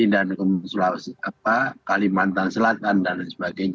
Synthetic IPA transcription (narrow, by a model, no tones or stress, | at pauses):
idankəmsəlaapakalimant̪ansəlat̪̚andansəbaɡajɲ